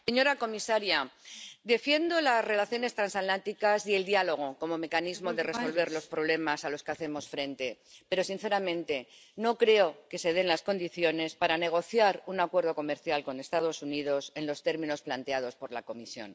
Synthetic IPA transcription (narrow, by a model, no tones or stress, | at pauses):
seɲo̞ɾako̞misaɾjad̪e̞fje̞nd̪o̞lazre̞laθjo̞ne̞st̪ɾansat̪lant̪ikasie̞ld̪jalo̞ɣ̞o̞ko̞mo̞me̞kanizmo̞ðe̞re̞so̞lβ̞e̞ɾlo̞spɾo̞β̞le̞masalo̞skeaθe̞mo̞sfɾe̞nt̪e̞ | pe̞ɾo̞sin̟θe̞ɾamẽnt̪e̞ | no̞kɾe̞o̞ke̞se̞ð̞e̞nlasko̞nd̪iθjo̞ne̞spaɾane̞ɣ̞o̞θjaɾunakwe̞ɾðo̞ko̞me̞ɾθjalko̞ne̞st̪að̞o̞sunið̞o̞se̞nlo̞st̪e̞ɾmĩno̞splant̪e̞að̞o̞spo̞ɾla̰ko̞misjo̞̰n